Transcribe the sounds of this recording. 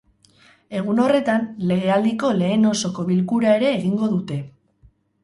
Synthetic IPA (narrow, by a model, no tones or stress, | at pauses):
e̞ɣ̞uno̞re̞t̪anle̞ɣ̞e̞ald̪iko̞le̞ːno̞so̞ko̞βilkuɾae̞ɾe̞ːɣiŋɡo̞ðut̪e̞